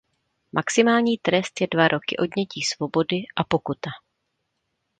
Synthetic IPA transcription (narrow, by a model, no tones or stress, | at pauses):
mʔaksɪmaːlɲiːt̪ɾɛst̪jɛdvaɾʔo̞kɪʔo̞dɲɛciːsvo̞bo̞dɪʔapo̞kut̪a